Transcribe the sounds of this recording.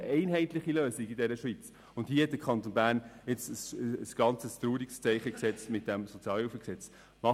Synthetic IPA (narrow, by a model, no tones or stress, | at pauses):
ʔɛɪnɦɛɪt̪lɪχiløːsiɡɪdɛɾəʃʋit͡s | ʊnthiəhɛtdəkʰχɑnt̪onbæːɾnjɪt͡səsəsɡ̥ɑnt͡səst̪ɾuːɾikst͡sɛɪχəksɛt͡smɪt̚d̥ɛmsot͡sjɑːlɪfəksɛt͡s | mɑ